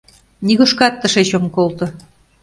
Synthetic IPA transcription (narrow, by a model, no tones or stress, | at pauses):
niɣoʃkɑt̪ːə̆ʃeɕomkolt̪ɤ̆